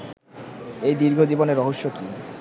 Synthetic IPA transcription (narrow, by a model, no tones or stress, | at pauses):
ejd̪iɾɡʱod͡ʑiboneɾɔɦoʃːoki